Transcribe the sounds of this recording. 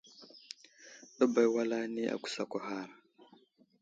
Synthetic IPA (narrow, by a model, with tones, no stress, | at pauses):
to˦ba˨jwa˦la˦ni˦ʔa̰˨ku̥˨sa˨kʷa˨ɦa˦ɾ